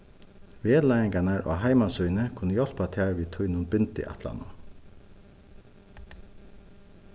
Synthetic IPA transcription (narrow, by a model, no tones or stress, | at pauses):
ʋeːlajɪŋkanaɹʔo̰ːɦaɪmasujnəkʰʊnːəjɔl̥pat̪ʰaːɹʋiːt̪ʰʊjnʊnbʏnt̪ɪ̰ʔa̰t̪ʰla̰nʊ̰